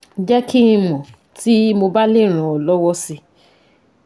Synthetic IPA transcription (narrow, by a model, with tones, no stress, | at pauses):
d͡ʒɛ˦kʰĩ˦˧mɔ̃˨ | ti˦mo˧ba˦le˦˨ɾ̃ã˨ɔ˨lɔ˦wɔ˦si˧